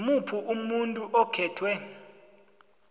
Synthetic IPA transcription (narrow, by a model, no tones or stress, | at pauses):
mupʰuʔumuntʼuʔɔkʰɛːtʰwɛ